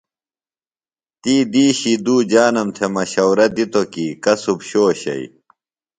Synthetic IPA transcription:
t̪iːd̪iːɕid̪uːd͡ʑaːnɐmt̪ʰemɐɕɐwɾɐd̪it̪okikɐsubɕoːɕɐ̰ḭ

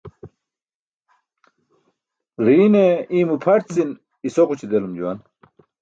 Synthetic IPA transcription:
ʁiːneĩːmupʰɐʈt͡sin | isoqut͡ɕʰid̪elumd͡ʑuwɐn

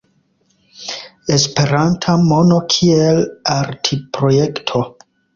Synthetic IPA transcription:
e̞spe̞ɾantʰamo̞no̞kʰielaɾtʰipɾo̞je̞ktʰo̞

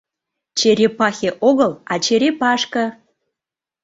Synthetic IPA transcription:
t͡ɕeɾʲepɑxʲeʔoɣəlɑt͡ɕeɾepɑʃkɤ̆

